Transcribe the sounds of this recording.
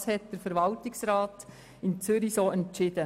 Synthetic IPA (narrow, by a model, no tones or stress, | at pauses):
shɛt̚d̥əɾfəɾʋɑltɪksɾaːt | ɪnt͡sʏɾisoːɛntt͡ʃɪd̥̪ə